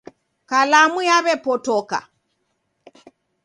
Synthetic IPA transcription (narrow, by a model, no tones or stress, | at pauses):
kalamujaβɛpɔtɔka̰